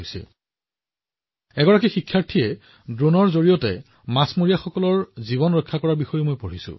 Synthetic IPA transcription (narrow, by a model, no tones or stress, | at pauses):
jsɛ̰ | ɛɡɔɹakixikʰːaɹtʰiɛ | dɹonɔɹzoɹijɔtɛ̰ | masmoɹijaxɔkɔlɔɹziβɔnɹɔjkʰːakɔɹaɹbixɔjemojpoɹisʊ̰̃